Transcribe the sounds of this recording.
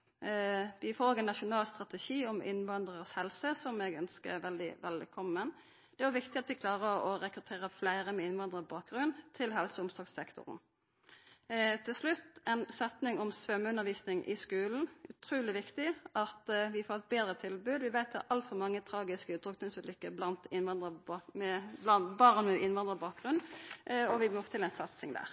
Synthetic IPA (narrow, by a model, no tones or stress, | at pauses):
ʋɪfoːlɔɡɛnːɑʃʊnɑːlst̪ʁɑt̪ɛʃiːɔmʔɪ̰nʋɑnd̪ʁəʁshɛlsəsɔmɛɡœnskə̰ʋɛld̪ɪ̰ʋɛlkʰɔmən | d̪̥ɛæʋɪkt̪ɪɑt̪ʋɪkʰlɑːʁəɾɔɾɛkɾʉt̪ʰeːʁəflæɪɾəmɛɪnʋɑnd̪ʁəbɑːk̚ɡʁʉnt̪ʰɪlɦɛlsəʊmsɔsɛkt̪ʊ̰ʁn | t̪ʰɪlslʉt̪ːɛnsɛt̪nɪŋɔmsʋœmːʉnːəʁʋiːsnɪŋʔɪ̰skʉːln̩ʔʉt̪ʰɾʉːlɪʋɪkt̪ɪʔɑt̪ʋɪfoːʁɛt̪̚beːd̪ɾət̪ʰɪlbʉːd̪ʋɪʋæɪt̪̚d̪ɑʔɑlt̪fɔɾmɑŋːət̪ʰɾɑːɡɪskəʉːt̪ʁʏkt̪ənsəlʏkːəblɑnt̪ɪnʋɑnd̪əmɛlɑnbɑʁnmɛʔɪnʋɑnd̪ʁəbɑːk̚ɡʁʉnː | ɔʋɪmɔft̪ʰɪlæɪnsɑt̪sɪŋd̪æ̰ːʁ